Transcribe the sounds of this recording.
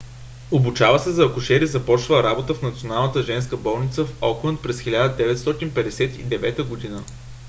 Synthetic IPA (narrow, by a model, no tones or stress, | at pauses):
obut͡ʃavəsɛzɐːkʊʃɛɾizɐpɔt͡ʃvəɾabot̪əfnɐt̪sionalˠnət̪əʒɛnskəbɔlˠnit̪səfɔklˠənt̪̚pɾɛsxʲilʲad̪əd̪ɛvɛt̪st̪ɔt̪inpɛd̪ɛsɛt̪ḭd̪ɛvɛt̪əɡod̪inə